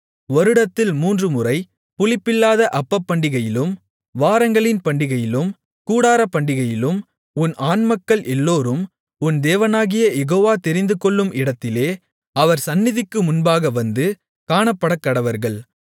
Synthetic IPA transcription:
ʋɔɾɯɽɐt̪ːɪlmuːndrɯmʊrɐɪ | pʊɭɪpːɪlːaːðɐʔɐpːɐpːɐɳɖɪɣɐjɪlɯm | ʋaːɾɐŋɡɐɭɪnpɐɳɖɪɣɐjɪlɯm | kuːɽaːɾɐpːɐɳɖɪɣɐjɪlɯm | ʊnʔaːnmɐkːɐɭʔɛlːoːɾɯm | ʊnd̪eːʋɐnaːɣɪjɐjɛɣoːʋaːt̪ɛɾɪnd̪ɯkɔɭːɯmʔɪɽɐt̪ːɪleː | ɐʋɐɾsɐnːɪðɪkːɯmʊnbaːɣɐʋɐnd̪ɯ | kaːɳɐpːɐɽɐkːɐɽɐʋɐɾɣɐɭ

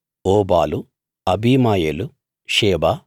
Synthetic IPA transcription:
oːbaːlu | ɐbiːmaːjeːlu | ʃeːbaː

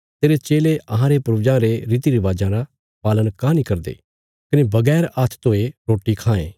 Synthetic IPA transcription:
t̪eːɾet͡ʃeːleɐɦãɾepɾud͡ʒãɾeɾiːt̪iɾiʋaːd͡ʒãɾa | paːlənkãnĩkɐɾd̪ḛː | kɐnebɐɡɛːɾat̪ʰt̪oːeɾoːʈikʰãːḛ̃ː

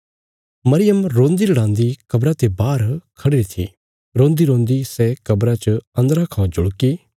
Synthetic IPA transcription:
mɐɾɪjəmɾõːnd̪ilɐɽãːnd̪ikɐbɾat̪ebaːɾkʰɐɽɪɾit̪ʰḭ | ɾõːnd̪iɾõːnd̪isɛkɐbɾat͡ʃɐɐ̃nd̪ɾakʰãːd͡ʒʊɽkiː

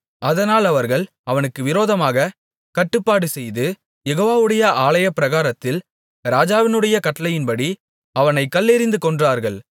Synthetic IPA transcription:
ɐðɐnaːlɐʋɐɾɣɐɭ | ɐʋɐnɯkːɯʋɪɾoːðɐmaːɣɐ | kɐʈːɯpːaːɽɯsɛjðɯ | jɛɣoːʋaːʋɯɽɐjɐʔaːɭɐjɐpːɪɾɐɣaːɾɐt̪ːɪl | ɾaːd͡ʒaːʋɪnɯɽɐjɐkɐʈːɐlɐjɪnpɐɽi | ɐʋɐnɐɪkːɐlːɪɾɪnd̪ɯkɔɳdraːɾɣɐɭ

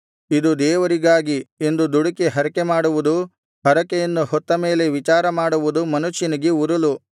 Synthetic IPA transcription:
id̪ud̪ɛːʋɐɾiɡaːɡie̞nd̪ud̪uɽɐkiɦɐɾɐkemaːɽuʋud̪u | hɐɾɐkɛjɐnːuhɔt̪ːɐme̞ːle̞ʋit͡ʃaːɾɐmaːɽuʋud̪umɐnuʃinɐɡeuɾɐlu

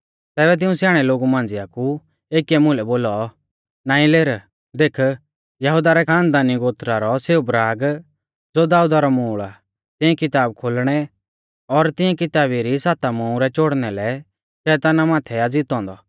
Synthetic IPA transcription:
t̪ɛːbɛt̪̬ɪũsjaːɽ̃ɛloːɡumãːnd͡zɪaku | eːkiɛmʊlɛboːlɔ | naːĩleːɾ | d̪eːkʰ | jɐɦud̪aɾɛkʰãːnd̪aniɡoːt̪ɾaɾɔseːubɾaːɡ | d͡zod̪aːud̪aɾɔmuːɭa | t̪ɪ̃ɛ̃kɪt̪aːb̚kʰoːlɽ̃ɛ | ɔɾt̪ɪ̃ɛ̃kɪt̪aːbiɾisaːt̪amɔũɾɛt͡ʃoːɽnɛlɛ | ʃɛːt̪aːnamãːt̪ʰɛad͡ziːt̪ɔ̃ːnd̪ɔ

